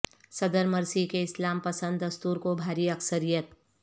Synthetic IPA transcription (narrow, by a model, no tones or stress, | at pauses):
sɐd̪əɾmɐɾsikeɪslaːmpəsə̃nd̪ːɐst̪uːɾkobʱaːɾiɐksəɾijət̪̚